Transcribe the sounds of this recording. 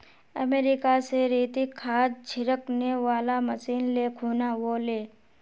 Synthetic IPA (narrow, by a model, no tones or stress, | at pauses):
ə̰meːɾɪkaseɾiːt̪ikʰːaːd̪̚t͡ʃʰɪɾəkneʋaːlaməsiːnlekʰuːnaʋoleː